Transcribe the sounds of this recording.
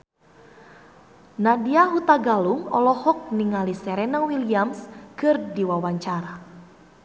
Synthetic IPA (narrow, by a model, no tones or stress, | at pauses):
nadiaɦut̪aɡaluŋɔ̰lɔhɔk̚niŋalisɛɾɛnawiliamskɨrdiwawaɲt͡ʃaɾa